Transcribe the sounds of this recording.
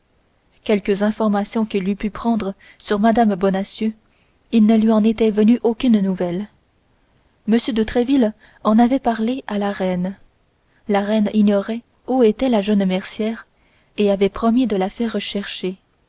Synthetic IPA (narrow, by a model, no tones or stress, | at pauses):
kʲɛlkəzɛ̃fɔʁmasjɔ̃kʲilypypχɑ̃d̪ʁə | syʁmad̪ambɔnasjø | ilnəlɥiɑ̃net̪ɛvənyʔokʲynnuvɛl | məsjød̪ət̪χɛvil | ɑ̃navɛpaʁleʔalaʁɛn | laʁɛniɲɔʁɛ | uet̪ɛlaʒənmɛʁsjɛːʁ | eavɛpχɔmid̪əlafɛʁːəʃɛʁʃe